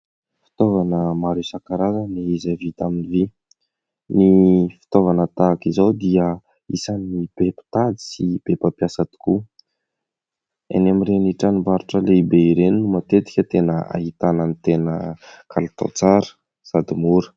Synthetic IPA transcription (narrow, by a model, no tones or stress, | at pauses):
fi̥t̪ovanəmaɾesakaɾazəniizavit̪aminivi | nifi̥t̪ovanət̪akizawd̪iə | isanib̥epi̥t̪ad̪i̥sib̥epəpjasad̪i̥ku | a̰namireniʈ͡ʂanimbaɾuʈ͡ʂəleibeiɾeninumat̪et̪i̥kʲət̪enəa̰ɦit̪anənit̪enəkʰalit̪o̰t͡saɾə̥ | sad̪imuɾə̥